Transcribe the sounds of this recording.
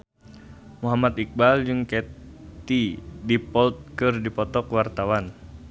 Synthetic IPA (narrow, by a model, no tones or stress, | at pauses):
muɦamat̪ik̚bald͡ʒɨŋkɛt̪idipɔlt̪̚kɨrdipɔt̪ɔkwart̪awan